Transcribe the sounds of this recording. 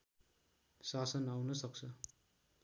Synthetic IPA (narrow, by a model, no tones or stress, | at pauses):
sasənawnʌsʌkt͡sʰʌ